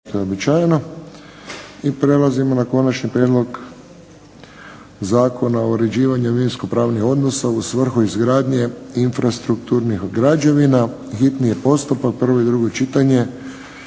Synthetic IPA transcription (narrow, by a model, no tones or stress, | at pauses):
t̪ojeobit͡ʃaːjeno̞ | ipɾe̞lazimo̞nako̞nat͡ʃnipɾjeːd̪lˠo̞ɡ | zaːko̞naoɾe̞d͡ʑiːʋaɲuʋinsko̞pɾaːʋnixo̞d̪no̞sausʋr̩xuizɡɾaːd̪ɲe̞infɾast̪ɾukt̪uːɾnixɡɾad͡ʒeʋinaxit̪nije̞po̞st̪upak̚pr̩ʋo̞id̪ɾuɡo̞t͡ʃit̪aɲe̞